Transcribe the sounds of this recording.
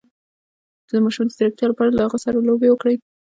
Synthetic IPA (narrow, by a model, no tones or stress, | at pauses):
d̪əmɑʃumd̪əd̪ɪɾak̚t̪jɑlapɑɽalahaɣəsaɾalobewəkɽəj